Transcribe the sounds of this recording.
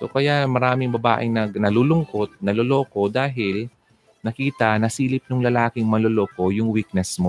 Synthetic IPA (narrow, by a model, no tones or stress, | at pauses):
so̞̰kɐjamɐɾaːmɪŋbɐba̰ːʔɪŋnɐɡnɐluːlʊŋko̞t̪̚nɐloloːko̞d̪aːɦɪl | nɐkiːt̪ɐnɐsiːlɪp̚nʊŋlɐlaːkɪŋmɐlolo̞ːko̞jʊŋwik̚nɛsmo